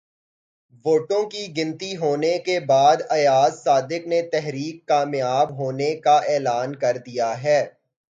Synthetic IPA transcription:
ʋoːʈõkiɡɪ̃nt̪iɦoːnekebaːd̪ɐjaːzsaːd̪ɪknet̪ɛɦɾiːkːaːmjaːbɦoːnekaʔɛːlaːnkɐɾd̪ijaɦɛː

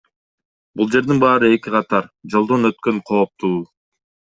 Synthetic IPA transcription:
bulˠd͡ʒe̞ɾd̪inbɑːɾɯe̞kiqɑt̪ɑɾd͡ʒo̞lˠd̪o̞nøt̪̚kø̞ɴqʰo̞ːp̚t̪ʰuː

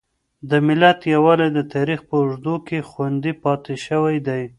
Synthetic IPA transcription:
d̪əmɪlat̪jawɑlad̪ət̪ɑɾixpəʊʐd̪ukexwand̪ipɑt̪eʃəwajd̪aj

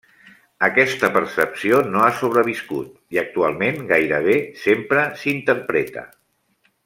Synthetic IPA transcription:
əkɛst̪əpəɾsəpsionoasoβ̞ɾəβ̞iskṵt̪̚ | iək̚t̪ualˠmenɡajɾəβ̞esempɾəsint̪əɾpɾɛt̪ə̰

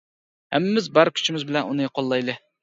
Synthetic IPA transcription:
hɛ̰mːɪmɪzbæɾkʲʰy̥t͡ʃʰimɪzbɪlɛnunɨjqʰɑlˠːɑjlˠɨ

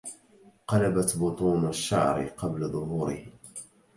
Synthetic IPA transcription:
qɑlabat̪bʊt̪ˤuːnaʃːa̰ʕɾɪ̰qɑblaðˤʊɦuːɾɪ̰h

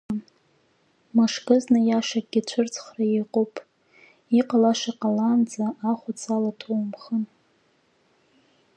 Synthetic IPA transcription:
n | maʂkɨznɨjaʂak̚ɡʲit͡ɕʷʰʊrt͡sʰχrajeqʼopʼ | iqʼalaʂaqʼaland͡zaʔːχʷʊt͡sʰalatʰowmχən

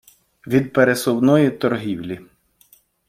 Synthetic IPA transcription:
ʋʲid̪̚peɾesɔwnɔjit̪ɔrɦiwlʲi

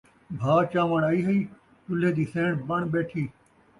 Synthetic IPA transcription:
bʱaːt͡ʃãːʋəɳ̃ɐiːɦɐiː | tʊleːd̪iːsẽːɳbɐɳ̃ɓeːʈʰiː

